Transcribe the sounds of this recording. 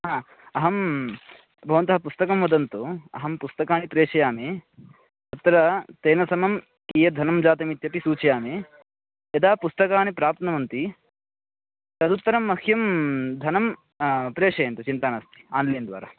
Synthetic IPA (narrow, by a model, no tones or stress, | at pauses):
ɦaː | ɐɦɐm | bʱɐʋɐnt̪ɐɦɐpust̪ɐkɐmʋɐd̪ɐnt̪uɐ̰ɦɐmpust̪ɐkaːnipɾeːʂɐjaːme | ɐt̪ːɾɐt̪eːnɐsɐmɐm | kijɐd̪ʱɐnɐmd͡ʒaːt̪ɐmit̪jɐpisuːt͡ʃɐjaːme | ɐd̪aːpust̪ɐkaːnipɾaːp̚t̪nɐmɐnt̪i | t̪ɐd̪ut̪ːɐɾɐmːɐkʰjɐmd̪ʱɐnɐm | pɾeːʂɐjɐnt̪ut͡ʃint̪aːnɐst̪i̥aːnliːɐnd̪ʋa̰ːɾɐ